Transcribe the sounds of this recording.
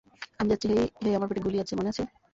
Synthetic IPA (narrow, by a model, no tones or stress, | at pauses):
amid͡ʑatːt͡ɕʰiɦejɦejamaɾbeʈiɡuliat͡ɕʰimoneat͡ɕʰe